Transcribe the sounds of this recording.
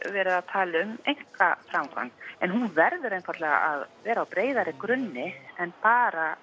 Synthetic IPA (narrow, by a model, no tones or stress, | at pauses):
vɛːɾɪðat̪ʰaːlɪʏmejŋ̥kafɾamkʰa̰nɛnɦunvɛɾðʏɾejnfaɾt̪lɛːɣa̰aðvɛːɾaawpɾeːjðaɾɪkɾʏnːɪɛnpaːɾa